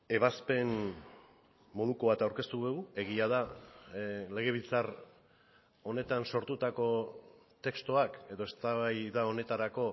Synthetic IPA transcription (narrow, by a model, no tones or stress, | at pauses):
e̞βaspe̞n | mo̞ð̞uko̞βat̪awɾke̞st̪uɣeue̞ɣiað̞a | le̞ɣ̞e̞β̞ilt͡sar | o̞ne̞t̪anso̞ɾt̪ut̪ako̞ | t̪e̞kst̪oake̞ðo̞e̞st̪aβajðao̞ne̞t̪aɾako̞